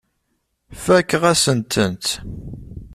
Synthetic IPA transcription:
fækːʁæsənt̪ʰənt̪

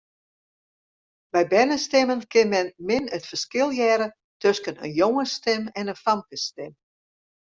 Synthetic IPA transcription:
bɛjbɛnəstɪmənkɪnmɛnmɪnətfərskɪlˠjɛːɾə | tʰøskənə̰njoŋəstɪmɛnənfamkəstɪm

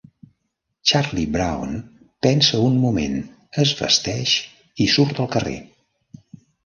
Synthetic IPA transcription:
t͡ʃarlibɾa̰wn | pɛnsəunmumḛn | əzβə̰st̪ɛʃ | isuɾt̪əlˠkərḛ

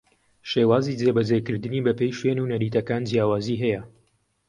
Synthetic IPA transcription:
ʃeːwaːzid͡zebɐd͡zekɨɾd̪ɨniːbɐpejʃwenunɐɾiːt̪ɐkaːnd͡zjaːwaːziːɦɛjɐ

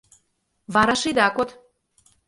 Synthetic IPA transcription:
βɑɾɑʃid̪ɑkot̪

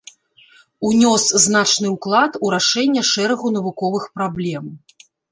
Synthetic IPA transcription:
unʲɔsznat͡ʂnɨwklˠat̪uɾaʂɛnʲːɐʂɛɾɐɣunɐvukɔvɨxpɾablʲɛm

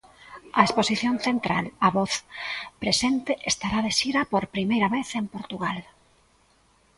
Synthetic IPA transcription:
ɐesposiθjonθent̪ɾa̰laβɔθpɾesent̪eʔest̪aɾaðeʃiɾɐpoɾpɾimejɾɐβeθempoɾt̪uɣal

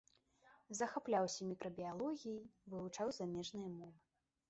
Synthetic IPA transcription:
zɐxaplʲawsʲɐmʲikɾɐbʲialˠɔɣʲijivɨvut͡ʂawzamʲɛʐnɨjɐmɔvɨ

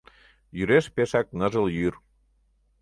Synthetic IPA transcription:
jyɾeʃpeʃɑk̚nə̆ʒəljyr

